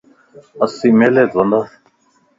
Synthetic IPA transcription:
əsːiːmeːleːt̪ʋənd̪aː

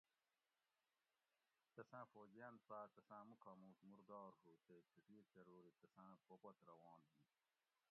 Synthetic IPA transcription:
t̪ɐsãːfoːd͡ʑijãnd̪̚paːt̪ɐsãːmukʰɑːmũːsmuɾd̪ɑːɾɦut̪ekʰiʈiːt͡ɕɐɾoːɾit̪ɐsãːpʰopɐt̪ɾɐwɑ̃ːnd̪i

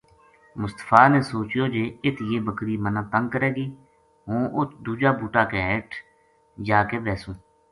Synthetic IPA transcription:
mʊst̪ə̥fʰaːnẽːsoːt͡ʃjoːd͡ʒeːɪt̪ʰjeːbəkɾiːmənãːt̪əŋɡ̚kəɾeːɡiː | ɦõːʔʊt̪ʰd̪uːd͡ʒaːbuːʈaːkeɛːʈʰ | d͡ʒaːkeːbɛːsũː

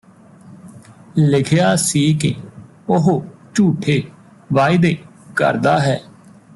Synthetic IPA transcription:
lɪkʰjaːsiːkɪ | ʊɦot͡ʃuːʈʰeː | ʋaːɪd̪eː | kə̰ɾd̪aːɦɛː

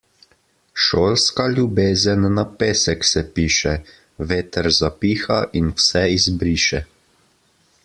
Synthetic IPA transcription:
ʃoːlskalʲjubeːzənːapeːsɛksɛpiːʃɛ | ʋeːt̪ɛɾzapiːxaʔinwsɛizbɾiːʃɛ

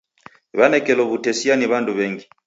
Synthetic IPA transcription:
βanɛkɛlɔβutɛsianiβanduβɛŋɡi

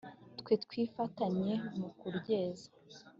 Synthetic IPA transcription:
tkwetkwiːfataɲe̞mukuɾɟe̞ːzḁ

